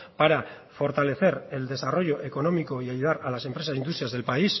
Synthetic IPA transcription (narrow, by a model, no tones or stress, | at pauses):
paɾa | fo̞ɾt̪ale̞θe̞ɾe̞ld̪e̞saro̞ʝo̞ʔe̞ko̞no̞miko̞iajuðaɾalase̞mpɾe̞sasind̪ust̪ɾiazðe̞lpais